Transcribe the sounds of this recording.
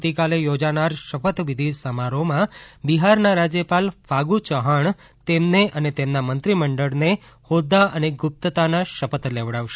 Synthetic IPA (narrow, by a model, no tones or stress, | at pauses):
t̪ikalejod͡ʒanaɾʃəpət̪ʋid̪ʱisəmaɾomãbiɦaɾnaɾad͡ʒjəpalfʰaɡut͡ʃəɦaɳ | t̪emneʔənet̪emnamənt̪ɾiməɳɖəɭne | hod̪aʔəneɡʊp̚t̪ət̪anaʃəpət̪leʋɽaʋʃe